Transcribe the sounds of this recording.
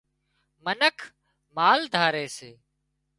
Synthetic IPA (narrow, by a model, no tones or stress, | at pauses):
mənəkʰ | maːld̪ʱaːɾeːseː